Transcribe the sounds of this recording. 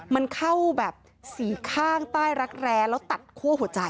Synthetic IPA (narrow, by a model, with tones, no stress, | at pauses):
ma˧nkʰa˥˩wbɛː˨˩p̚ | siː˩˦kʰaː˥˩ŋt̪aː˥˩jɾa˦˥k̚ɾɛː˧ŋlɛː˦˥wt̪a˨˩t̪̚kʰu˥˩əɦu˩˦t͡ɕa˧j